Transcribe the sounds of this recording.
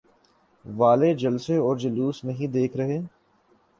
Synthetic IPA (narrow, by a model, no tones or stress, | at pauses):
ʋaːled͡ʒɐlseɔːɾd͡ʒɐluːsnɐɦĩd̪eːkʰɾɐɦeː